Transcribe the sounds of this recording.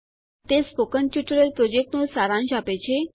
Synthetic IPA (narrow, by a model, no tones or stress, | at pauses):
t̪espokənʈjuʈəɾəlpɾod͡ʑek̚ʈnusaɾãnɕapet͡ɕʰe